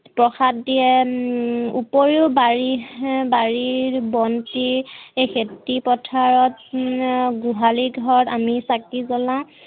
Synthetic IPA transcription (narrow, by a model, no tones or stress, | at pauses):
pɹɔxatdiɛ | upoɹibaɹibaɹibɔntiexetipɔtʰaɹɔt | ɡuɦaliɡʱɔɹɔtamisakizɔlã